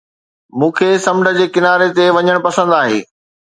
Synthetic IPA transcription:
mũːkʰeːsɐmɖʱə̆d͡ʑeːkɪnaːɾet̪eʋɐɲəɽ̃pɐsə̃nd̪aːɦḛː

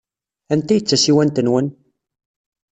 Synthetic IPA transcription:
ænt̪æjət͡sːæsiwænt̪ənwən

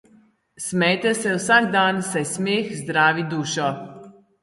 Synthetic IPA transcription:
smɛjt̪ɛsɛwsaːɡd̪aːnsajsmeːxzd̪ɾaːʋid̪uːʃɔ

